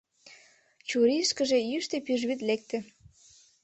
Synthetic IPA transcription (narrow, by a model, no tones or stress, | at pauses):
t͡ɕuɾiʃkə̆ʒejyʃt̪epyʒβit̪̬lek̚t̪ĕ